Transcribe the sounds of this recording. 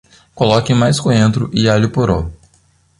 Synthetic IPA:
kolɔkẽmajskõẽnt̪ɾʊʔɪalipoɾo̰

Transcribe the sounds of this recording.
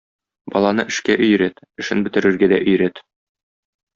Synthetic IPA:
bɒlˠɑnɤʔɘ̆ʃkæʔɵ̆jɾæt̪ | ɘ̆ʃɘnbɘ̆t̪ɘ̆ɾɘ̆ɾɡæd̪æʔɵ̆jɾæt̪

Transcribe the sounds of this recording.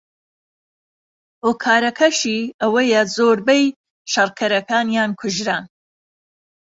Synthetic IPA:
oːkʰaːɾɐkʰɐʃiːʔɐwɐjɐzoːɾbɛj | ʃɐrkʰɐɾɐkaːnjaːnkʰʊʒɾaːn

